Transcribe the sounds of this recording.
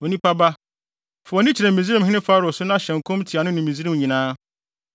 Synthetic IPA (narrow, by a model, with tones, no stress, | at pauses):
o˨nĩ˦pa˦ba˦ | fʊ˨ɔ˨nɪ̃˦t͡ɕʰi˨ɾɛ˨mĩ˨zi˦ɾi˦m˨ɦɪ̃˦nɪ̃˦fa˦ɾʊ˨sʊ˦nã˦˨ɕɛ̃˨ŋ˨kʰʊ̃˦mtʰi˨a˨nʊ̃˦nʊ̃˨mĩ˨zi˦ɾĩ˦m˨ɲĩ˨nãː˦